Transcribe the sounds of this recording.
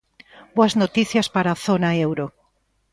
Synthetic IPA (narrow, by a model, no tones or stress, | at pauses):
boɐznot̪iθjɐspaɾaθonɐewɾo